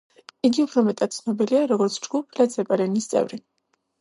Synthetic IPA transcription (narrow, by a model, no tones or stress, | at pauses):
iɡiupʰɾɔmɛt̪ʼad̪̥t̪sʰnɔbiliaɾɔɡɔɾt̪sʰd͡ʒɡ̥upʰlad̪zɛpʼaɾɛnist̪sʼɛ̰vɾi